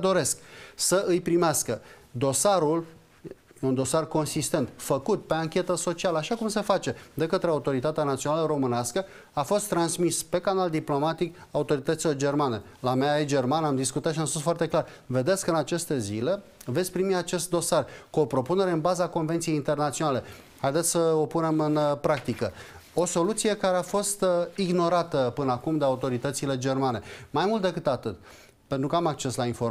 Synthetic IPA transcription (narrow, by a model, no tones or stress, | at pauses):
d̪o̞ɾe̞sksəʔɨjpɾimeaskəd̪o̞saɾul | jeund̪o̞sarko̞nsist̪e̞nt̪fəkut̪̚pe̞aŋkʲe̞t̪əso̞t͡ʃialəaʃakumse̞fat͡ʃe̞d̪e̞kət̪ɾeaut̪o̞ɾit̪at̪eanat̪sionaləɾo̞mɨneaskə | afo̞st̪ːɾansmispe̞kanald̪iplo̞mat̪ikaut̪o̞ɾit̪ət̪siled͡ʒe̞rmane̞ | lameaed͡ʒermanamd̪iskut̪at̪ʃiamspusfoart̪e̞klarve̞d̪esʲkɨnat͡ʃe̞st̪e̞zile̞ve̞t̪sʲpɾimiat͡ʃe̞st̪̚d̪o̞sarkuo̞pɾo̞pune̞ɾe̞ɨnbazako̞nvent̪sieint̪e̞rnat̪sio̞nale̞ | hajd̪e̞t̪sʲsəopune̞mɨnpɾakt̪ikəo̞so̞lut̪sije̞kaɾe̞afo̞st̪iɡno̞ɾat̪əpɨnəakumd̪eaut̪o̞ɾit̪ət̪sile̞d͡ʒe̞rmane̞majmult̪d̪e̞kɨt̪at̪ɨt̪ | pent̪ɾukəamak̚t͡ʃe̞slainfo